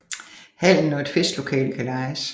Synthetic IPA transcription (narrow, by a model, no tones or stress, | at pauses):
hæl̰n̩ɒed̥fesd̥lo̝kʰɛ̰ːlkʰælɑ̈ɪs